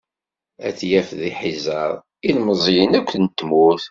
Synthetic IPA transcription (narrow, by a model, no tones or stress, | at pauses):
æθjæfðiħizɑɾˤ | ilməzˤjənækʷːnt̪ːmuθ